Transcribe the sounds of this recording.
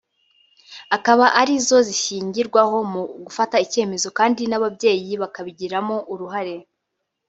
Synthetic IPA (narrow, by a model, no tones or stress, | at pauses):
akaβaʔaɾizo̞ziʃiːɲɟiɾɡwaho̞muɡufataice̞ːme̞zo̞kaːndinaβabje̞ːjiβakaβiɟiɾamo̞ʔuɾuɦaɾe̞